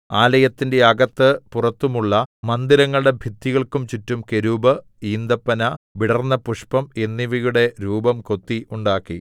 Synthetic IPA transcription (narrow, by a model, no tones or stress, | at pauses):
aːlɐjɐt̪ːinde̞ɐɡɐt̪ːɨpurɐt̪ːumuɭːɐmɐnd̪iɾɐŋːɐɭɨɽe̞bʱit̪ːiɣɐɭkumt͡ɕitːumke̞ɾubɐ | iːnd̪ɐpːɐnɐʋiɽɐrnːɐpuʂpɐmenːiʋijuɽe̞ɾuːbɐmko̞t̪ːiʔuɳɖaːkːi